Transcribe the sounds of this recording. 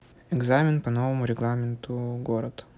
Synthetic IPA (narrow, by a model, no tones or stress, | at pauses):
ɛɡzamʲɪnpɐnovəmʊɾʲɪɡlˠamʲɪnt̪ʊɡoɾət̪